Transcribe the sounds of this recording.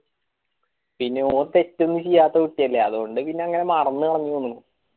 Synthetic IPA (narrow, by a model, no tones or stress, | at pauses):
pinːe̞oːrt̪e̞tːunːuɕijːaːt̪ːɐkuʈːijɐlːeɐðuɣo̞ɳɖɨpinːe̞ɐŋːɐne̞mɐrɐnːɨkɐɽɐɲːionːuu